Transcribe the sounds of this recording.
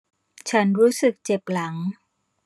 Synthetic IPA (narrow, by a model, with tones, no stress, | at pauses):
t͡ɕʰa˦˥nɾuː˦˥sɯ˨˩k̚t͡ɕe˨˩p̚la˩˦ŋ